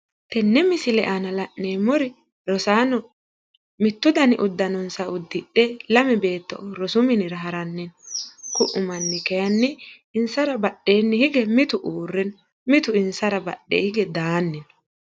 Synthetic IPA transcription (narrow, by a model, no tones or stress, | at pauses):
t̪ɛnːɛmɪsɪlɛʔanɐlɐʔneːmɔɾɪ | ɾɔsaːnɔ | mɪt̪ːʊd̪ɐnɪʔʊd̪ːɐnɔnsɐʊd̪ːɪɗɛlɐmɛbe̞ːt̪ːɔ̰ʔɔɾɔsʊmɪnɪɾɐɦɐɾɐnːɪnkʊʔʊmɐnːɪkɛjɐnːɪ | ɪnsɐɾɐbɐɗːe̞ːnːɪhɪɡɛmɪt̪ʊʔuːrːɛn | mɪt̪ʊɪnsɐɾɐbɐ̰ɗːḛːhɪɡɛd̪aːnːɪn